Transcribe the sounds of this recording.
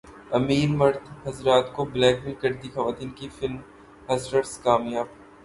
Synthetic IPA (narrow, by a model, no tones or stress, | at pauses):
ɐmiːɾmɐɾd̪ɦɐzɾaːt̪koblɛːkmĩkɐɾd̪ixɐʋaːt̪iːnkifɪlm | hɐsʈəɾskaːmjaːb̚